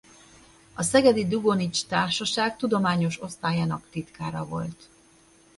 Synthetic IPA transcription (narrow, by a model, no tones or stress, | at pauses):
ɒsɛɡɛd̪id̪uɡonit͡ʃt̪aːrʃɒʃaːkt̪ud̪o̞maːɲo̞ʃo̞st̪aːjaːnɒkt̪it̪kaːɾɒvo̞lt̪